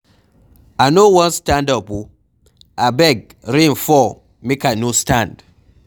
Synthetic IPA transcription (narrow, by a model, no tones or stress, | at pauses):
anowɔ̃nstãndapu | ʔabɛɡ̚ | ɾĩnfɔ | mikanostãnd̥